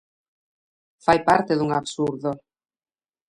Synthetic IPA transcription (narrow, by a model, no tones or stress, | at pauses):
fajpaɾt̪eðuŋaβsuɾðo